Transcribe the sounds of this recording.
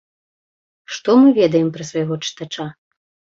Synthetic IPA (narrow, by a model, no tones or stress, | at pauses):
ʂt̪ɔmɨvʲɛd̪ɐjɛmpɾɐsvɐjaɣɔt͡ʂɨ̥t̪at͡ʂa